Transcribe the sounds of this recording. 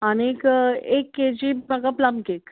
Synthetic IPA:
anekekːed͡ʑimaɡaplamkek

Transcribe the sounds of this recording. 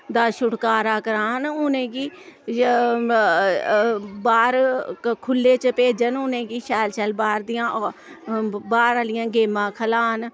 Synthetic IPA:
d̪aːʃʊʈkaːɾaːkəɾaːnʊnẽːkiː | baːɾkʰʊlːeːt͡ʃəpeːd͡ʒənʊnẽːkiːʃɛːlʃɛːlbaːɾd̪ɪjãːʔ | baːɾaːlɪjãːɡeːmãːkʰəlaːn

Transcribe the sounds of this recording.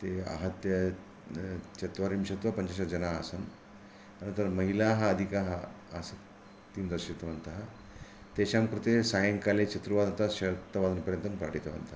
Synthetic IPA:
t̪ea̰ɦɐt̪jɐ | t͡ʃɐt̪ʋaɾimɕɐt̪ʋɐpəɲt͡ɕaɕɐd͡ʑɐnaːsən | k̪ɐnɐnt̪ɐɾməɦilaɦaːd̪ʱikaɦaː | sə | t̪ːiːmd͡z̪ɐɕit̪ɐʋɐnt̪aɦ | t̪eɕamkɾut̪esajəŋkalet͡ɕɐt̪ɾuʋad̪ɐnt̪aɕɐɾt̪ɐʋad̪ɐnpəɾjənt̪ɐmpɾa̰ʈit̪ɐʋɐ̰nt̪a

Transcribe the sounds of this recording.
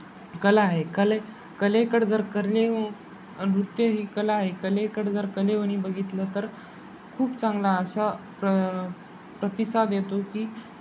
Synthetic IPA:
kəlaːɦekəle | kəlekəɽd͡zəɾkəɾle | nut̪jəɦiːkəlaːɦekəlekəɽd͡zəɾkəleʋəɽ̃ibəɡʱit̪lət̪əɾ | kʰuːpt͡sãŋɡlaəsapə | pɾət̪isad̪jet̪okiː

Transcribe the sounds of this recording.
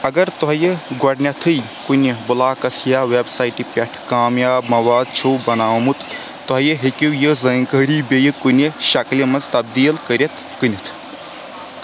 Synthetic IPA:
ɐɡɐɾt̪ɔɦjəɡɔɽnʲɐt̪ʰɨj | kunebulaːkɐsʰjawebsajʈipʲeʈʰkaːmjaːbmɐwaːd̪̚t͡ʃʰowbɐnaːmut̪ʰː | ɔɦjəɦekʲiwjəzɐŋkəɾibejkuneʃɐkljɐmɐzt̪ɐb̚d̪iːlkəɾʲet̪ʰkɨnit̪ʰ

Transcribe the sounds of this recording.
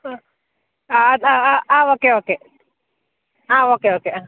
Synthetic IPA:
aaaaʔaokeoːke | aokeoːkea

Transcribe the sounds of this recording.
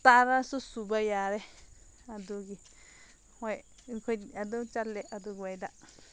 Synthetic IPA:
t̪aɾasusubajaɾe | ad̪uɡi | hwe | kʷead̪ut͡ʃaleʔad̪uɡwed̪a

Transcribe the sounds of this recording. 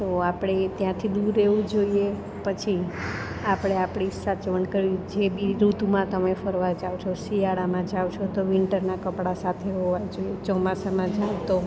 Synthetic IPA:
t̪oapɽ̃et̪jãt̪ʰid̪uɾeʋũd͡ʒoie | pət͡ʃʰi | apɽ̃eapɽ̃isat͡ʃʋəɳkəɾid͡ʒebʱiɾut̪umãt̪əmefəɾʋad͡ʒawt͡ʃʰosijaɽamãd͡ʒawt͡ʃʰot̪oʋɪɳʈəɾnakəpɽasat̪ʰeɦoʋajd͡ʒoijet͡ʃɔmasamãd͡ʒaʋt̪o

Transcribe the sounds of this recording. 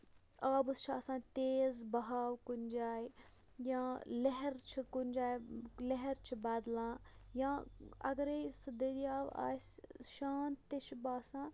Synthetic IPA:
aːbust͡ʃʰaːsãːt̪eːzbɐɦaːwkunʲd͡ʒaːj | jãːleɦɛɾt͡ʃʰikunʲd͡ʒaːjleɦɛɾt͡ʃʰibaːd̪lãːjãːɐ̰ɡɐɾejsɨd̪ed̪iaːʋa̰ːsʃaːnt̪ːet͡ʃʰbaːsãː

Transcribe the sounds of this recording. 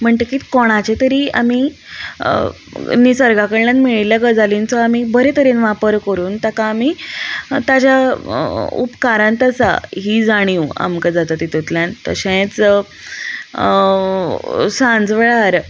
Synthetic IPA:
m̤əɳʈəkiːt̪kɔɽ̃at͡ɕet̪əɾiːa̰mi | nisəɾɡʱakəɽlanmiɭiljaɡəd͡zalint͡sɔamibəɾet̪əɾenʋapəɾkəɾuːnt̪akaːmi | t̪ad͡ʑja | ṵpkaɾãnt̪əsa̰ɦiːd͡zaɽ̃iua̰mkəd͡zat̪at̪it̪ut̪ljant̪ə̰ɕẽt͡s | sãnd͡zʋɭaɾ

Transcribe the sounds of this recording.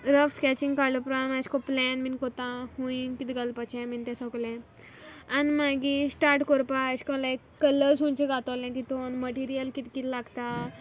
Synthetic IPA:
ɾəfskɛt͡ɕĩŋɡkalopɾamaɕkɔplɛnminkot̪ãhũinkit̪ɡəlpat͡ɕɛ̃mint̪ɛ̃sɔklɛ̃ | animaɡisʈaɾʈkoɾpaɕkɔlaekːələsɦũɲt͡ɕeɡat̪alɛ̃kit̪onməʈiɾijəlkit̪kit̪ʰlaɡt̪a

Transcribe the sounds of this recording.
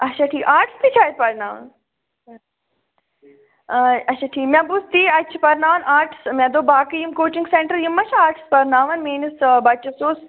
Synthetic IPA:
ɐt͡ʃʰaːʈʰiːkaːɾʈst̪it͡ʃʰaːjt̪̚pɐɾnaːʋɐ̰n | ɐtʃʰaːʈʰiːkmjãbust̪iːɐt͡ʃʰpɐɾnaːʋɐnaːɾʈsmʲɛ̃d̪oːbaːkijumkoːt͡ʃiŋɡsẽɳʈəɾjumɐʃʰaaːɾʈspɐɾnaːʋɐnmeːnisbɐt͡ʃɐsoːs

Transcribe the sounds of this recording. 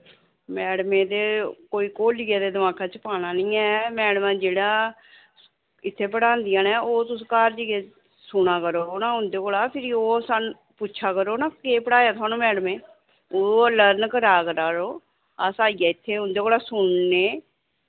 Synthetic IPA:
mɛːɽmẽːd̪eːkoːiːkoːliːaːd̪eːd̪əmaːkʰaːt͡ʃəpaːnaːnĩːɛːmɛːɽmãːd͡ʒeːɽaː | ɪt̪ʰːeːpəɽãːnd̪ɪjãːnɛːoːt̪ʊsːkaːɾd͡ʒiɡeː | sʊɳaːkəɾoːnãːɦʊ̃nd̪eːkoːlaːpʰɪɾiːoːsaːn | pʊːt͡ʃʰaːkəɾoːnãːkeːpəɽaːjaːt̪ʰʊwaːnũːmɛːɽəmẽː | oːləɾnkəɾaːkəɾaːɾoː | aːsaːijaːɪt̪ʰːeːɦʊnd̪eːkoːɽaːsʊɳneː

